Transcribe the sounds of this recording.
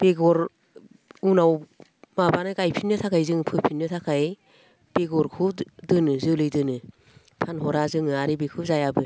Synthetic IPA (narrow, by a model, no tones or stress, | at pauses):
b̥eɡɔɾ | unawmabanɯɡajpʰinːɯtʰakʰajzɯŋpʰɯpʰinːɯtʰakʰaj | b̥eɡɔɾkʰɯdɯnɯzɯlɯjdɯnɯ | pʰanɦɔɾazɯŋɯaɾibekʰɯzajabɯ